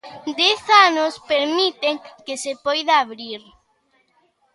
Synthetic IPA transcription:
d̪ɛθanʊspeɾmit̪eŋkesepɔjðaaβɾiɾ

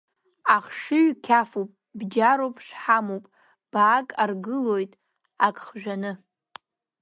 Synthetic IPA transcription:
aχʂɨɥkʲʰafupʼ | bd͡ʒaɾowpʰʼʂħamopʼ | b̥aːkʼarɡɨlojtʼ | akʼχʒᶣanɨ

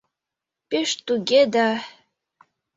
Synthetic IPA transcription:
peʃt̪uɡed̪a

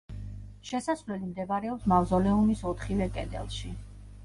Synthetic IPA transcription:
ʃɛsasvlɛlimd̪ɛbɾɛɔpsmavzɔlɛumisɔt̪ʰχivɛkʼɛ̰d̪ɛ̰lˠʃi

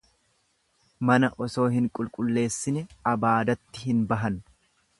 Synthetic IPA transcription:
mɐnɐʔɔso̞ːɦɪŋkʼʊlkʼʊlːe̞ːsːɪnɛɐbaːd̪ɐt̪ːɪhɪnbɐɦɐn

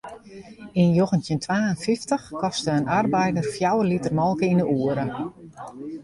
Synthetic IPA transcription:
injoxəntjəntʰʋaːənfiftəxkɔstəənarbɛjdərfjawəlitərmɔlˠkəindəuəɾə

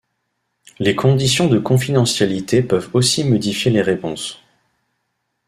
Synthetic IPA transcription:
lekʰɔ̃d̪isjɔ̃d̪əkɔ̃fid̪ɑ̃sjalit̪epœvosimɔd̪ifjeleʁepɔ̃s

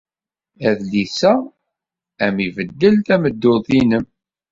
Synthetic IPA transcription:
æðlisæ | æmivəd̪ːəlt̪æməd̪ːoðˤinəm

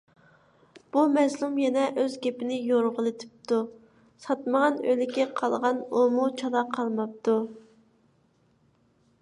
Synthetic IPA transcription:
b̥umɛzlˠumjɛnɛʔøzɡʲepɪnɪjoɾʁəlˠɨt̪ʰɪ̥p̚t̪ʰu | sɑt̪məʁɑnø̰lɪkʲɛqʰɑlˠʁɑnumut͡ʃʰɑlˠɑqʰɑlˠmɑp̚t̪ʰu

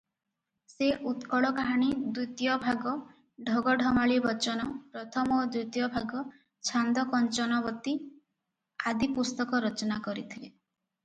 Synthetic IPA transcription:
seʔut̪kɔɽɔkaɦaɽ̃id̪ut̪jɔbʱaɡɔ | ɖʱɔɡɔɖʱɔmaɭibɔt͡ʃɔnɔpɾɔt̪ʰɔmɔd̪ɾut̪jɔbʱaɡɔ | t͡ʃʰand̪ɔkɔnt͡ʃɔnɔbɔt̪i | ad̪ipust̪ɔkɔɾɔt͡ʃɔnakɔɾit̪ʰile

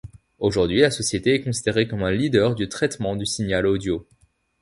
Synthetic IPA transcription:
oʒuʁd̪ɥilasɔsjet̪eɛkɔ̃si̥d̪eʁekɔmɛ̃lid̪œʁd̪yt̪χɛt̪mɑ̃d̪ysinjalod̪jo

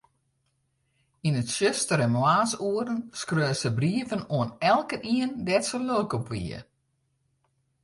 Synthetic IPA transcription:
inətsøstəɾɛnmwaːsuəɾənskrøːsəbriəvənoənɛlˠkəniəndɛtsəlølkɔpʋḭə̰

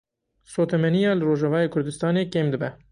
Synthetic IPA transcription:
soːt̪ɛmɛnijɑːlɨroːʒɑvɑːjeːkʰʊɾd̪ɨst̪ɑːneːkeːmd̪ɨbɛ

